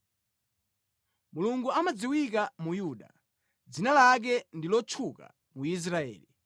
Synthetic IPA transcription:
muluŋɡuamad͡ziwik̬amujuːɗa̰ | d͡zinalak̬ɛndilɔt͡ʃʰuka̰ | muis̬ɾaɛ̰ːli

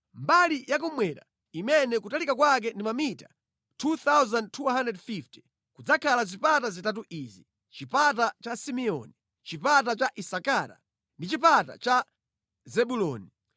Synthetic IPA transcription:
mbalijak̬umwɛɗa̰ | imɛnɛkutalikakwak̬ɛndimamita | tʰuθawzand̚tʰuɦandɛdfifti̥ | kud͡zakʰalazipatazitat̬uʔizi | t͡ʃipat̬at͡ʃasimɛɔ̰ni | t͡ʃipatat͡ʃaʔisakaɾa̰ | ndit͡ʃipata̰t͡ʃa | zɛɓulɔːni

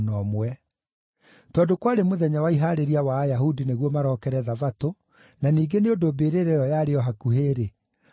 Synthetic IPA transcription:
nɔmwɛ | tɔːdokwaːɾemoðɛɲawaiɦaɾeɾiawaːjahudineɣwɔmaɾɔːkɛɾɛðavato | naniːɡeneondobeːɾeɾejɔjaɾeɔɦakuɦeːɾe

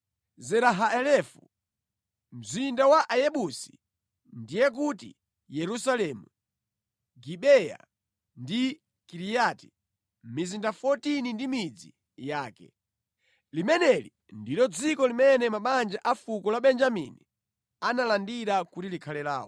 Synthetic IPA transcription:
zɛɾaɦaɛlɛfṵ | m̩zindawaʔajɛɓusi̥ | ndijɛk̬utḭ | jɛɾusalɛmu | ɡiɓɛja̰ | ndi | kiɾijati̥ | mizindafɔtinindimid͡zḭ | jaːkɛ̰ | limɛnɛlḭ | ndilɔd͡zikɔlimɛnɛmaɓand͡ʒaʔafukɔlaɓɛnd͡ʒamini | analandiɾakutilikʰalɛla̰ːwɔ̰

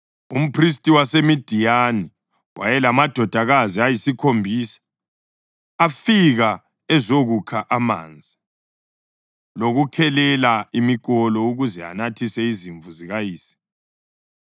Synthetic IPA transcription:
um̩pʰris̬tʼiwasemid̥ʱijani | wʔajɛlamad̥ʱɔd̥ʱaɣaziajisikʰombʱiːsḁ | afiɣa | ɛzoɣukʰaʔama̰ːnd͡zʱi | loɣukʰɛlɛlaimiɣ̬ʼɔlɔuɣuzɛa̰natʰisɛiziɱvuziɣajiːsi̥

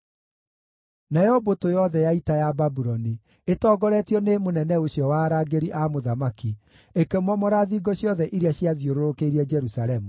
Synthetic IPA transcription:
najɔbotojɔðɛjaitajababuɾɔni | etɔːɡɔɾɛtiɔnemonɛnɛoɕjɔwaɾaɡeɾiʔamoðamaki | ekemɔmɔɾaðiːɡɔɕjɔðɛʔiɾeaɕjaðjoɾoɾokeiɾiɛd͡ʒɛɾusaɾɛmu

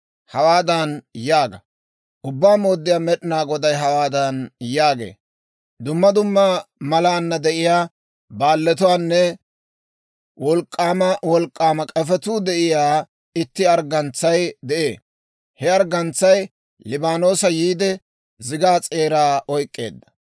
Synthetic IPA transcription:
hɐwaːd̪ɐnjaːɡɐ | ʔʊbːaːmo̞ːd̪ːɪjaːmɛɗɪnaːɡɔd̪ɐjɦɐwaːd̪ɐnjaːɡḛː | d̪ʊmːɐd̪ʊmːɐmɐlaːnːɐd̪ɛʔɪjaː | baːlːɛt̪̬ʊwaːnːɛ | wɔlkʼːaːmɐwɔlkʼːaːmɐkʼɐfɛt̪ud̪ɛʔɪjaː | ɪt̪ːɪɐɾɡɐnt͡sːɐjd̪ɛʔe̞ː | hɛɐɾɡɐnt͡sːɐj | lɪbaːno̞ːsɐjiːd̪ɛ | zɪɡaːt͡sʼe̞ːɾaːɔjkʼːe̞̰ːd̪ːɐ̥

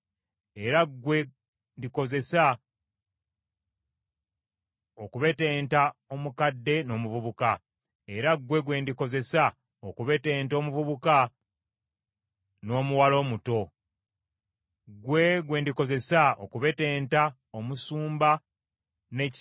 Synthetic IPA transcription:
e̞ɾaɡwe̞ | ndiko̞ze̞sa | okuβe̞teːntao̞mukadːe̞no̞ːmuvuβuka | e̞ɾaɡwe̞ɡwe̞ndiko̞ze̞sa | okuβe̞teːnto̞ːmuvuβuka | no̞ːmuwalo̞ːmuto̞ | ɡwe̞ɡwe̞ndiko̞ze̞sao̰kuβe̞te̞ːnta | omusuːmba | ne̞c

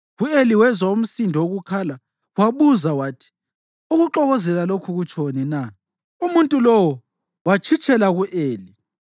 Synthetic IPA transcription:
ɣueliwɛzwaum̩sindʱɔoɣukʰala | waβuzawaːtʰi̥ | uɣuǃɔɣɔzɛlalokʰuɣut͡ʃʰʼonina | umuntʼulɔwɔ | wat͡ʃʰit͡ʃʰʼɛlaɣuʔeːli

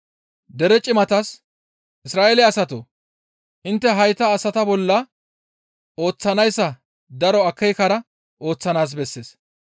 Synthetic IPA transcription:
d̪ɛɾɛt͡ʃʼɪmɐt̪ɐs | ʔɪsɾaːʔelɪɐsɐt̪o̰ | ʔɪnt̪ːɛɦɐjt̪ɐːsɐt̪ɐbɔlːɐ | o̞ːt͡sːɐnɐjsːɐ | d̪ɐɾɔɐkʰːɛjkɐɾɐ | ʔo̞ːt͡sːɐnaːs̬bɛsːeːs

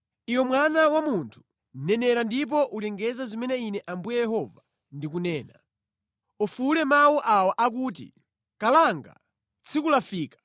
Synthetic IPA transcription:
ijwɔmwanawamuntʰu̥ | nɛnɛɾandip̬ɔʔulɛŋɡɛzazimɛnɛinɛʔambujɛjɛhɔva | ndik̬unɛːna | ɔfulɛmawɔʔawaʔak̬uːt̬ḭ | kalaŋɡa̰ | t͡sʰikulafiːkḁ

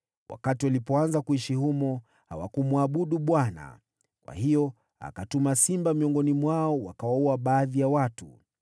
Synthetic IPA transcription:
wʔa̰katiwalipɔanzakuiʃihumɔ | ha̰wa̰kumwaɓuɗuɓwana̰ | kwa̰hijɔ | a̰katumasimbamiɔŋɡɔnimwaɔwakawauaɓaːðijawatu

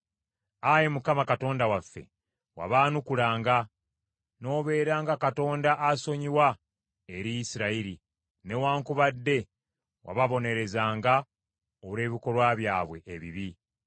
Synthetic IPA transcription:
ajemukamakato̞ːndawafːe̞̰ | wa̰βaːnukulaːŋɡa | no̞ːβe̞ːɾaːŋɡakato̞ːndaʔːso̞ɲiwa | eɾijisiɾaiɾi | ne̞waːŋkuβadːe̞ | wʔa̰βaβo̞ne̞ɾe̞zaːŋɡa | oβɾe̞ːβiko̞lwaβjaːβwe̞ʔːβiβi

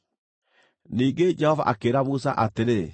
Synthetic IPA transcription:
niːɡed͡ʒɛhɔva̰ʔakeːɾamusa̰ʔateɾe

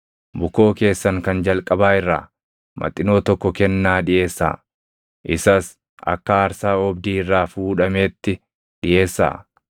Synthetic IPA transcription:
bʊko̞ːke̞ːsːɐŋkɐnd͡ʒɐlkʼɐbaːɪrːa̰ː | mʔɐ̰t̪ʼːɪno̞ːt̪ɔkːɔkɛnːaːᶑɪʔe̞ːsːa̰ː | ʔɪsɐs | ɐ̰kːɐɐɾsaːɔbd̪iːɪrːaːfuːᶑɐmeːt̪ːɪ | ᶑɪʔe̞ːsːa̰ː

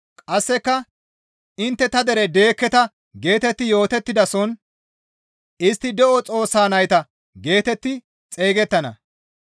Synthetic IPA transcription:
kʼɐsːɛkːɐ | ɪnt̪ːɛt̪ɐd̪ɛɾɛd̪e̞ːkːɛt̪ɐ | ɡe̞ːt̪ɛt̪ːɪjo̞ːt̪ɛt̪ːɪd̪ɐsɔn | ɪst̪ːɪd̪ɛʔɔt͡sʼo̞ːsːaːnɐjt̪ɐ | ɡe̞ːt̪ɛt̪ːɪ | t͡sʼe̞ːɡɛt̪ːɐnɐ̰

